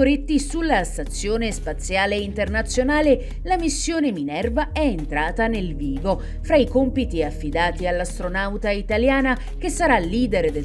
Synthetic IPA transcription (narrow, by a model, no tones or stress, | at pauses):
oɾet̪ːisulːast̪at̪sːjoːnespat̪sːjaːleint̪ernat̪sːjonaːle | lamisːjoːneminɛrvaɛent̪ɾaːt̪anelviːvo | fɾaikompit̪iafːid̪aːt̪ialːast̪ɾonawt̪ait̪aljaːna | k̟esːaɾalːiːd̪eɾd̪e